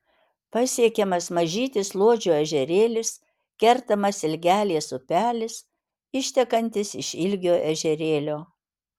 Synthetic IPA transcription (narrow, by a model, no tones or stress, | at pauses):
pɐsʲiɛkʲɛmɐsmɐʒʲiːt̪ʲɪslˠoɔd͡ʒʲuːɛʒʲɛɾʲeːlʲɪs | kʲɛɾt̪ɐmɐsɪlʲɡʲæːlʲeɛsʊpʲæːlʲɪs | ɪʃʲt̪ʲɛkɐnʲt̪ʲɪsɪʃɪlʲɡʲoːʔɛʒʲɛɾʲeːlʲoː